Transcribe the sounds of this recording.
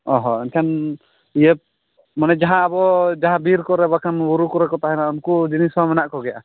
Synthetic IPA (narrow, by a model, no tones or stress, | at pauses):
ɔɦɔinkʰan | ijəp̚ | manɛd͡ʒaɦãːbɔd͡ʒaɦãbiɾkɔɾɛbakanwuɾukɔɾɛkɔt̪aɦɛnaʔumkud͡ʒinisamɛnaʔkɔɡɛja̰